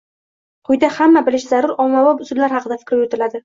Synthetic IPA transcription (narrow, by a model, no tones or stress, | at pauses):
qʰʊjd̪ahamːabɪlɪʃzaɾʊɾɒmawɒbʊsʊd̪laɾhɑqɨd̪afɪ̥kʲɾjot̪ʰɪlad̪ɪ